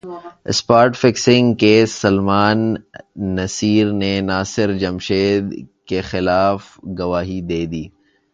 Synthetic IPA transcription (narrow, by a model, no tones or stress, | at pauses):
ɪ̰spaːɾʈfɪksɪ̃ŋɡkesɐlmaːnː | ɐsiːɾnenaːsɪɾd͡ʒɐmʃeːd̪kexɪlaːfɡɐʋaːɦid̪eːd̪iː